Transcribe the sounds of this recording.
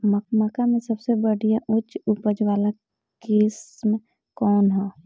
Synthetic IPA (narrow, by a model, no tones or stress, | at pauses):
məkməkamẽsɐbsebəɽijãʔʊt͡ʃʊpəd͡ʒwaːla | kɪsm | kɔːnɦɛː